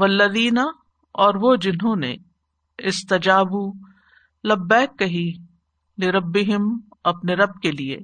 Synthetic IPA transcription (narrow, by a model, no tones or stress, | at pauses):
ʋɐlːɐðiːna | ɔːɾʋod͡ʒɪnɦõnḛ | ɪst̪ɐd͡ʒaːbu | lɐbːɛːkːɐɦi | lɪɾɐbːɪɦɪm | ɐpneɾɐb̚keliḛː